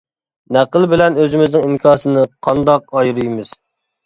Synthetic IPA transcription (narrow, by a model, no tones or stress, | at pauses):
næqəlˠbɪlɛnøzɪmɪznɪŋimkʲʰɑːsɨnɨqʰɑnd̪ɑq̚ɑjɾɨjmɨz̥